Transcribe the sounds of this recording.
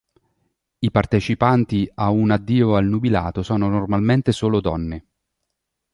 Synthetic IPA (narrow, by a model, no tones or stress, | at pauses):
ipart̪et͡ʃipant̪iaunad̪ːiːoalnubila̰ːt̪osɔːnonormalment̪esoːlod̪ɔ̰nːe